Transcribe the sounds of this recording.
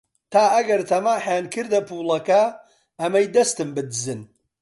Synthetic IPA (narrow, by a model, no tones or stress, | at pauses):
t̪ʰaːɐɡɐɾt̪ʰɐmaːħaːnkʰɨɾd̪ɐpʰuːlˠɐkɐ | ɐmɐjd̪ɐst̪ɨmbɨd̪ɨzɨn